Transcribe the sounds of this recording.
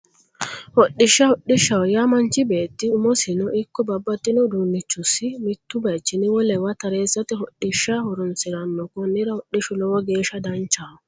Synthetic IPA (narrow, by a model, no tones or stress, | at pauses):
hɔɗːɪʃːɐhɔɗːɪʃːɐwɔjɐmɐnt͡ʃɪbe̞ːt̪ːɪʊmɔsɪnɔʔɪkːɔbɐbːɐt̪ːɪnɔd̪uːnːɪt͡ʃːʊsːɪmɪt̪ːʊbɐt͡ʃːɪnɪwɔlɛwɐt̪ɐɾe̞ːsːɐt̪ɛɦɔɗːɪʃːɐhɔɾɔnsɪɾɐnːɔkɔnːɪɾɐhɔɗːɪʃʊlɔwɔɡe̞ːʃɐd̪ɐnt͡ʃːaː